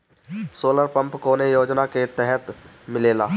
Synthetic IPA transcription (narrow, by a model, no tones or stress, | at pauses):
soːləɾpə̃mpkoːnejoːd͡ʒnaket̪ɛɦɛt̪ | mɪleːna̰ː